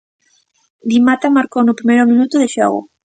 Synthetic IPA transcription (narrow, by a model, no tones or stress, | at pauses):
d̪imat̪amaɾkonupɾimejɾʊmĩnut̪uðeʃa̰ɣo̰